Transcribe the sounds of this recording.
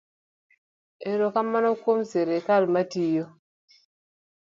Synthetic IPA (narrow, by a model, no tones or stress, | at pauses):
eɾokamːanokomseɾekalmatijo